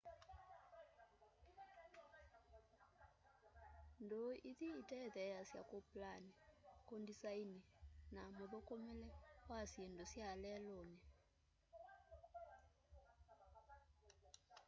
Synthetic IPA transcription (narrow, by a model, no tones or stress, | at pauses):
ndʱoit̪iːtʼɛd̪ɛjasja̰kʼopʼlanikʼondisaininamɔɓɔkʼɔmɛlɛwasiɛndʱosjaalɛlɔːni